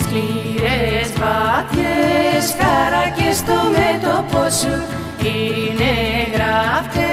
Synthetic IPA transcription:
skliɾezvɐt̪çesxɐɾɐcest̪omet̪oposu | ineɣɾɐft̪e

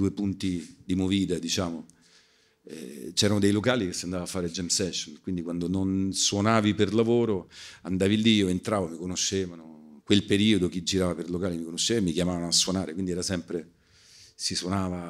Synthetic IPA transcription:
uepunt̪id̪imoviːt̪ad̪it͡ʃaːmo | ɛ̰t͡ʃɛːɾanod̪ejlokaːlikesːiand̪avaːfːaːɾed͡ʒɛmsɛʃːonkwind̪ikwand̪ononswonaːviperlavoːɾoand̪aːvilːiiːoent̪ɾaːvomikonoʃːeːvanokwelpeɾiːod̪ok̟id͡ʒːiɾaːvaperlokaːlimikonoʃːevamikjamaːvanoasːwonaːɾekwind̪iɛɾasɛmpɾe | siswonaːva

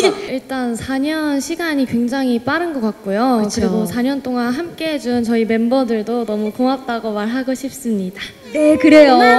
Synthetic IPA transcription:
iɭt͈ansʰaɲʌnɕʰiɡaɲikwe̞ŋd͡ʑaŋip͈aɾɯnɡʌk͈ak̚k͈ojoɯkɯɾiɡosʰaɲʌnt͈oŋanɦamk͈e̞ɦed͡ʑunt͡ɕʌime̞mbʌdɯɭdonʌmukoŋap̚t͈aɡomaɭɦaɡoɕʰip̚s͈ɯmɲida | nekɯɾe̞jo

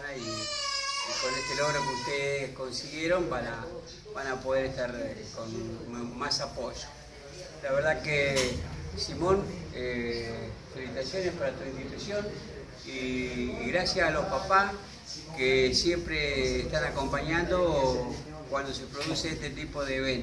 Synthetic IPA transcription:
nai | ikoneht̪elo̞ɣɾokeuht̪eðesko̞nsiɣje̞ɾo̞mbana | βanapoðe̞ɾeht̪aɾkonmasapoʒo̥ | laβeɾð̞ake | simõ̞ne | felit̪asjo̞ne̞hpaɾat̪uint̪it̪usjo̞n | iːɣɾasjasːlo̞hpapa | kesje̞mpɾeːst̪anako̞mpaɲãnd̪o | kwand̪o̞se̞pɾo̞ðuseeht̪e̞t̪ipo̞ðeβen

